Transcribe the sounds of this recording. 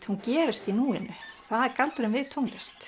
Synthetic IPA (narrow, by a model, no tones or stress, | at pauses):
t̪huncɛːɾɪst̪inuːɪnːʏθaðɛɾkalt̪ʏɾɪmvɪðt̪ʰowŋlɪst̪